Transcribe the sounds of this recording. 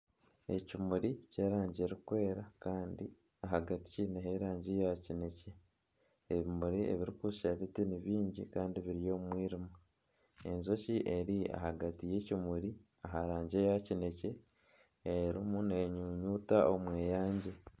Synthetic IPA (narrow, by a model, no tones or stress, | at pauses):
e̞̰cimuɾice̞ːɾaːɲɟeɾikwe̞ːɾakaːndi | aɦaɡati̥cineɦeɾaːɲɟe̞jacine̞ce̞ | eβimuɾiʔe̞̰βiɾikuʃaβitiniβiːɲɟḭkaːndiβiɾijo̞ːmwiːɾima | ḛnzo̞ciʔe̞ɾia̰haɡatije̞cimuɾi | aɦaɾaːɲɟe̞jacine̞ce̞ | eɾimuneɲuːɲuːtaʔomweːjaːɲɟe̞